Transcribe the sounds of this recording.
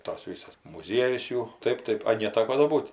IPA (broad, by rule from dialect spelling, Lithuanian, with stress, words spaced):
ɪr toːs ˈʋʲɪsɐs mʊˈzʲiɛjʊs ˈjuː ˈtɐɪp ˈtɐɪp ɐ nʲɛˈtɑːkoː doː ˈbuːt